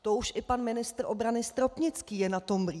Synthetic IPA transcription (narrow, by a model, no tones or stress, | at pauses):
t̪ouʃʔɪpanmɪnɪst̪rʔo̞bɾanɪst̪ɾo̞pɲɪt͡skiːjɛnat̪o̞mbri